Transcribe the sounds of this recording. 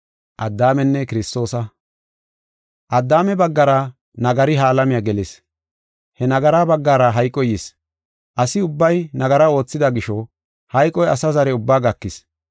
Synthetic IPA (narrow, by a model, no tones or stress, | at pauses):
ʔɐd̪ːaːmɛnːɛkɪɾɪst̪o̞ːsɐ | ʔɐd̪ːaːmɛbɐɡːɐɾɐ | nɐɡɐɾɪɦaːlɐmɪjaɡɛlɪs | hɛnɐɡɐɾaːbɐɡːaːɾɐɦɐjkʼːɔjis | ʔɐsɪʊbːɐjnɐɡɐɾɐo̞ːt͡sːɪd̪ɐɡɪʃɔ | hɐjkʼːɔjɐsɐzɐɾɛʊbːaːɡɐkːɪs